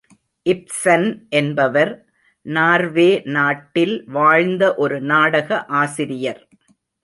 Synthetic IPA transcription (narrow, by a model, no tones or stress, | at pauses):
ʔɪp̚sɐnʔɛnbɐʋɐɾ | naːɾʋeːnaːʈːɪlʋaːɻnd̪ɐʔɔɾɯnaːɽɐɣɐʔaːsɪɾɪjɐɾ